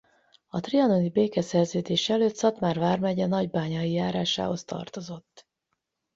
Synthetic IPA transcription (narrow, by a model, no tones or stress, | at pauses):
ɒt̪riɒnonibeːkɛsɛrzøːd̪eːʃɛɛløːt̪sɒt̪maːrvaːrmɛɟɛnɒɟbaːɲɒijaːɾaːʃa̰ːho̞st̪ɒ̰rt̪o̞zo̞t̪ː